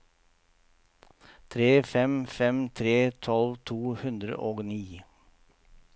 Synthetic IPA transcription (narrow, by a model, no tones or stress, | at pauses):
t̪ʰɾeːfɛmfɛmt̪ʰɾeːt̪ʰɔlʋt̪ʰuːhʉnd̪ɾə̰ʔoːɡniː